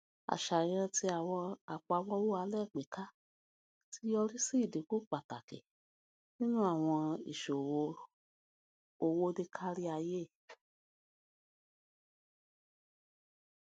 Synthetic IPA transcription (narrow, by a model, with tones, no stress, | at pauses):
a̰˨ʃa˨j̃ã˧ti˧a˨wɔ̃˧a˨k͡pa˧wɔ˦wo˦a˧lɛ˦˨k͡pe˨ka˦ | ti˧˦jɔ˧ɾi˦si˦˨de˨ku˦k͡pa˨ta˨kɛ̰˨ | nĩ˦nũ˦a˦˨w̃ɔ̃˧ḭ˨ʃo˨wo˧ | o˧wo˧de˧kʰa˦ɾi˦a˧je˦˨